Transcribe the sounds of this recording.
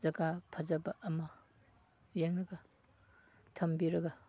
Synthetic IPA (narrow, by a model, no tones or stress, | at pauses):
zɐɡapʰɐzɐbɐʔːmɐ | jeŋɾɐɡɐ | tʰɐmbiɾɐɡɐ